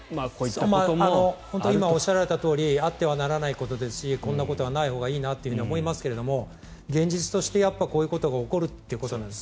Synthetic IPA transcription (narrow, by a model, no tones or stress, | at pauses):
makoimaanohont̪oimaoɕaɾaɾe̞t̪at̪o̞ːɾʲiat̪ːe̞β̞anaɾanaiko̞t̪o̞d̪e̞sɨ̥ɕikõ̞nːako̞t̪o̞βanaiho̞ːɡaiːnat̪ːeɯ̟ɯ̟ɲiomo̞imasɨ̥ke̞ɾe̞d̪o̞mo̞ | ɡẽ̞ɲ̟d͡ʑit͡sɨ̥t̪o̞ɕi̥t̪e̞japːako̞ːjɯ̟ko̞t̪o̞ɡaoko̞ɾɯ̟t̪ːejɯ̟koo̞nãnd̪es